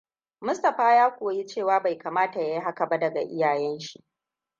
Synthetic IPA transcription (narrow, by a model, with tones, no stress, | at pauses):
mʊ˦stɐ˨ɸaː˦jaː˦kʷoː˨ji˦t͡ʃeː˦˨waː˦ba˨jkaː˨maː˦ta˨ja˦ji˦ɦa˦kɐ˨ba˦dɐ˨ɡa̰˨ʔɪ˦jaː˨jɛ˦nʃi˦˨ʔ